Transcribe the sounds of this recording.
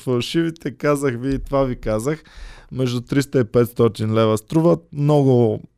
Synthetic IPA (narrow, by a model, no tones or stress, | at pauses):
fɐlˠʃivit̪ɛkazəxviːt̪ovavikazəxmɛʒd̪ʊt̪ɾist̪əipɛt̪st̪ɔt̪inlɛvəst̪ɾuvət̪mnɔɡʊ